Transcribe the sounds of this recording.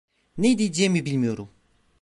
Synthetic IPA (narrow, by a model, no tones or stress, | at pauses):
ned̪id͡ʒɛmibilʲmijo̞ɾum